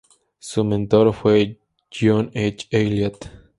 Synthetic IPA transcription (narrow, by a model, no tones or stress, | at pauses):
sumẽnt̪oɾfwe | d͡ʒonet͡ʃejljat̪